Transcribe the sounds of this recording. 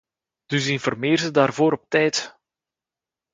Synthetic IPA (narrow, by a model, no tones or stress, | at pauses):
d̥ɵsɪnfɔrmeːɾzədaːrvoːɾɔp̚tɛjt